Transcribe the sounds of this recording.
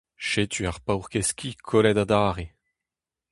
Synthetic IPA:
ʃet̪ʰyaʁpawʁkɛskʲikʰɔlɛd̪ad̪aːʁe

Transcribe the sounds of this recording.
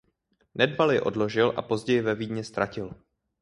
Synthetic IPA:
nɛdvalɛʔo̞̰dlo̞ʒɪlʔa̰po̞zɟɛjɪvɛviːdɲɛst̪ɾacɪl

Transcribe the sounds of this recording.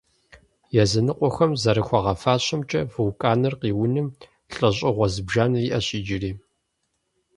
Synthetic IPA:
jɛzɐnɨqʷʼɔxɐmzɐɾɨxʷɐʁɐfaːɕʼɐmt͡ʃʼɐvɨwkʼaːnɨrqiːwʊnɨm | ɬʼɐɕ̬ʼɪʁʷɔzɨbʒaːniʔɐɕʼiːd͡ʒɪriː

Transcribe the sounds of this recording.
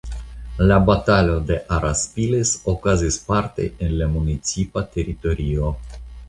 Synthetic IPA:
labat̪alo̞d̪e̞ʔaɾʔaspilesokazispaɾt̪e̞̰enlamunit͡sipat̪e̞ɾit̪o̞ɾio̞

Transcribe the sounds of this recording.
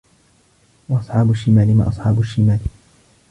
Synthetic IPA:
wɑʔɑsˤħɑːbʊʃːɪmaːlɪma̰ːʔɑ̰sˤħɑːbʊʃːɪmaːl

